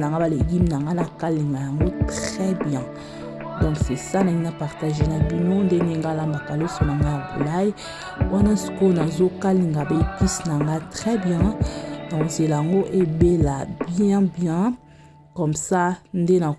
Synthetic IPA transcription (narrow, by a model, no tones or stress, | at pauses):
naŋɡabaleɡimnaŋɡanakaliŋɡajaŋɡotʁɛbjɛ̃ | dɔ̃ksesanaŋinapaʁtaʒenabinondeneŋɡalamakalosonaŋɡajabo̰lai | wanasi̥konazokaliŋɡabepisnaŋɡatʁɛbjɛ̃nakozelajaŋɡoʔebelabjɛ̃bjɛ̃ | kɔmsandena